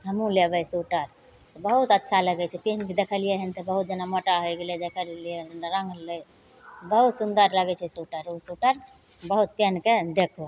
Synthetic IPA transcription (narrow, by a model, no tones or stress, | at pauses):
ɦəmũlebəsuʈəɾ | sebəɦut̪ətːʃʰaləɡɛt͡ʃʰɛpenked̪ekʰəlijeɦənt̪ɔbəɦut̪̚d͡ʒənamoʈaɦojɡelɛd̪ekʰəllieɾə̃ŋɡlə | bəɦut̪sund̪əɾləɡɛt͡ʃʰɛsuʈəɾusuʈəɾ | bəɦut̪̚penked̪ekʰo